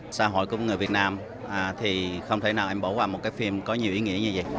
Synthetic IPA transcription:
saː˧ɦo̰˧˨jkʊ̰˧˩ŋ͡mŋ˨˩əvi˨˩ət̚naː˧m | ʔaː˨˩t̪ʰi˨˩xə˧wŋ͡mt̪ʰə˧˦jnaː˨˩wʔa˧jŋ̟ɓo̰˧˩˦waː˨˩mo˨˩t̚kaː˨˦jfi˧mkɔ˨˦ɲi˨˩əwʔi˨˦ŋḭ˧˥əɲɨ˧zə˨˩j

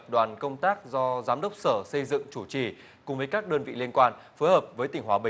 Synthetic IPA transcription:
p̚ɗwaː˨˩nkə˧wŋ͡mt̪aː˦˥k̚zɔ˧zaː˨˦mɗə˦˥wk͡p̚səː˧˩sə˧jzɨ̰˧˨ŋt͡ɕu˧˩t͡ɕi˧˩ | kʊ˨ŋ͡mvəː˨˦jkaː˦˥k̚ɗəː˧nvḭ˧˨li˧ənkwaː˧n | fo˨˦jhəː˨˩p̚vəː˨˦jt̪ï˨˩ŋ̟ɦwaː˨˦ɓï˨

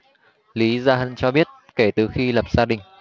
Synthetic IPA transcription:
li˨˦zaː˧ɦə˧˩nt͡ɕɔ˧ɓi˦˥ət̚ | ke˧˩t̪ɨ˨˩xi˧lə˨˩p̚z̥aː˧ɗï˨˩ŋ̟

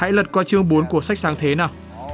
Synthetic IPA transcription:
ha̰˧˥jlə˨˩t̚kɔː˧jt͡ɕɨ˧əŋɓu˨˦nku˧˩əsa˦˥k̚saː˨˦ŋt̪ʰe˨˦naː˨˩w

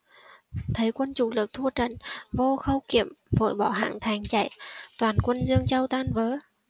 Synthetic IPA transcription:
t̪ʰə˨˦jkwə˧nt͡ɕu˧˩lɨ˨˩k̚t̪ʰu˧ət͡ɕə̰˧˨nvo˧xə˧wkḭ˧˨əmvo̰˧˨jɓɔ̰˧˩ɦa̰ː˧˨ŋt̪ʰa˨˩jŋt͡ɕa̰˧˩˨jt̪waː˨˩nkwə˧nzɨ˧əŋt͡ɕə˧wt̪aː˧nvəː˨˦

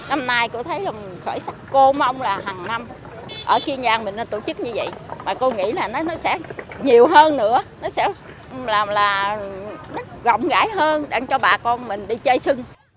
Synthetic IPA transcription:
na˧mnaː˧jko̰˧˥t̪ʰə˨˦jlaː˨˩m˨˩xəː˧˩jsa˦˥k̚ko˧ma˧wŋ͡mlaː˨˩ɦaː˨˩ŋna˧m | ʔəː˧˩ki˧əɲaː˧˩ŋmï̟˨˩nə˧nt̪o˧˩t͡ɕɨ˦˥k̚ɲɨ˧və̰˧˨jmaː˨˩ko˧ŋḭ˧˥laː˨˩nɔ˨˦nɔ˨˦sɛ̰˧˥ɲi˨˩əwɦəː˧nːɨ̰˧˥ənɔ˨˦sɛ̰˧˥ | laː˨˩laː˨˩ | nɔ˨˦ɣɔ̰˧˨wŋ͡mɣa̰ː˧˩jɦəː˧nɗaː˧˩ŋt͡ɕɔ˧ɓaː˨˩kɔ˧nmï˨˩ŋ̟ɗi˧t͡ɕə˧jsɨ˧ŋ

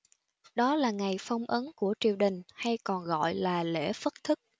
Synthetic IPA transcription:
ɗɔ˨˦laː˨˩ŋa˨˩jfa˧wŋ͡mʔə˨˦nku˧˩ət͡ɕḭ˨˩əwɗï˨˩ŋ̟ha˧jkɔ˨˩nɣɔ̰˧˨jlaː˨˩lḛ˧˥fə˦˥t̚t̪ʰɨ˦˥k̚

